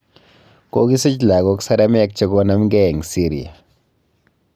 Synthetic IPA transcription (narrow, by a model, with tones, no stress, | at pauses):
ko˦ɡi˦si˦t͡ʃla˨ɣo˨˦ksa˦ɾa˦mɛ˦a˦k̚t͡ʃe˦ɡo˦na˦mɡɛ˦˨ŋsi˦ɾi˨a̰˨